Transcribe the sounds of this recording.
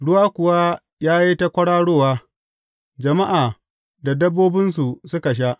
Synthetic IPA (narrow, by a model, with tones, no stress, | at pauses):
ɽʊ˦waː˦kʷʊ˨wa˦ | jaː˦ji˦ta˦kʷɐ˦ɽaː˦ɽoː˦˨waː˦ | d͡ʒɐ˨ma˦ʔaː˨ | da˨dɐ˦bːoː˦bɪ˦ns̬u˨sʊ˦ka˨ʃ̬a˦ʔ